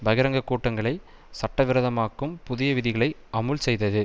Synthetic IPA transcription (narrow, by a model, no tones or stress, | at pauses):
bɐɣɪɾɐŋɡɐkːuːʈːɐŋɡɐɭɐɪ | sɐʈːɐʋɪɾɐðɐmaːkːɯmpʊðɪjɐʋɪðɪɣɐɭɐɪɐmɯlsɛjðɐðɯ